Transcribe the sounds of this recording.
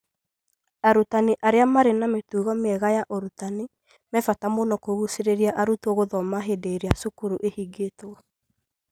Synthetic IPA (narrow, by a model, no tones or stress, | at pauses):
aɾutaneʔaɾeamaɾenametuːɣɔmeɛɣajaʔoɾutane | mɛfatamonɔkoɣuseɾeɾiaʔaɾutɔɣoðɔmaɦedeɾeasokuɾuʔehiɡeto